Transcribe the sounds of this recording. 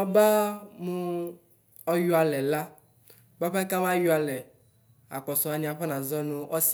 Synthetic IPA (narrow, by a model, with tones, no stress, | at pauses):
a˦ba˦mũ˦ | ɔ˦ju˦a˨lɛ˨la˦ | ba˦ɸe˦ka˦m˦ã˦ju˦a˨lɛ˨ | a̰˨k͡pɔ˨sɔ˨a˨nĩ˨a˨ɸɛ˦nã˨zɔ˦nũ˦ɔ˦s